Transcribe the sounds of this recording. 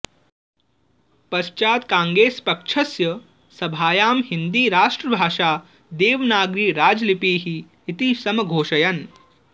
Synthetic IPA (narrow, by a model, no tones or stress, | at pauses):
pɐʃt͡ʃaːt̪kãːŋɡɾeːspɐkʂʰɐsjɐ | sɐbʱaːjaːmɦind̪iːɾaːʂʈɾɐbʱaːʂaː | d̪eːʋnaːɡɾiːɾaːd͡ʒlipiːɦiː | t̪isɐmɐɡʱoːʃɐjɐn